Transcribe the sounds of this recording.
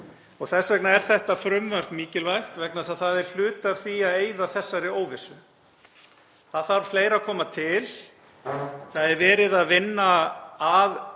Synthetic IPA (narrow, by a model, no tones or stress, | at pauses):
ɔɣθɛsvɛknaɛɾ̥θɛht̪afɾʏmvar̥t̪miːcɪlvajxt̪vɛknasaðθaðɛɾ̥l̥ʏːt̪av̥θiaðeːjðaθɛsːaɾɪoːwvɪsʏ | θaðθaɾ̥fleːjɾakʰɔːmat̪ʰɪl | θaðɛɾvɛːɾɪðaðvɪnːaað